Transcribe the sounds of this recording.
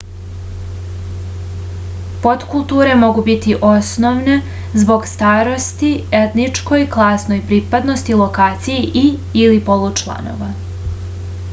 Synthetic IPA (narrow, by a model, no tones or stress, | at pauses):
po̞t̪kulˠt̪uːɾe̞mo̞ɡubit̪iʔosno̞ʋne̞ | zbo̞ɡst̪aːɾo̞st̪ie̞t̪nit͡ʃko̞jklˠaːsno̞jpɾiːpad̪no̞st̪ilˠokaːt̪sijeʔiilipo̞lˠut͡ʃlˠa̰no̞̰ːʋa